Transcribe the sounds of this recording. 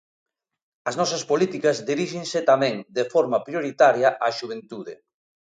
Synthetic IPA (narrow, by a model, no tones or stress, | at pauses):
ɐznɔsɐspolit̪ikɐzd̪iɾiʃeŋset̪amɛ̃ŋd̪efɔɾmɐpɾjoɾit̪aɾjɐʔaʃuβ̞ent̪uðḛ